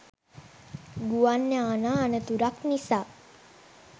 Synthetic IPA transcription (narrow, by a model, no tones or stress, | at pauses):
ɡuanːəanaːnət̪uɾaknisaː